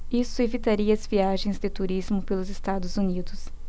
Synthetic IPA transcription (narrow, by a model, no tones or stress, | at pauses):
isʊevit̪aɾiɐɐzviaʒẽj̃zd̪ɪt̪uɾizmʊpelʊzest̪ad̪ʊzunid̪ʊs